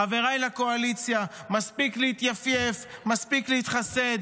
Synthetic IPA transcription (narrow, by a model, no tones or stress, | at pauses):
ave̞ʁajlako̞alit͡sjamaspikleit̪jafjefmaspiklehit̪χase̞d̪